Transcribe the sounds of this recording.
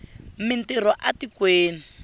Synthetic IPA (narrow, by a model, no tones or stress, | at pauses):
mintiɾɔʔatikweːni